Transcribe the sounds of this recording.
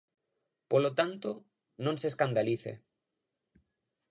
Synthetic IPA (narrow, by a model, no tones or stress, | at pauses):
polot̪ant̪o | nõnseskand̪aliθḛ